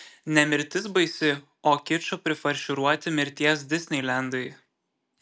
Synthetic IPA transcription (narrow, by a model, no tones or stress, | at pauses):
nʲɛmʲɪɾʲt̪ʲɪs̬bɐɪsʲɪ | oːkʲɪt͡ʃʲopʲɾʲɪfɐɾʲʃʲʊɾuɔt̪ʲɪmʲɪɾʲt̪ʲiɛs̬d̪ʲɪsʲnʲɛɪlʲæˑnd̪ɐɪ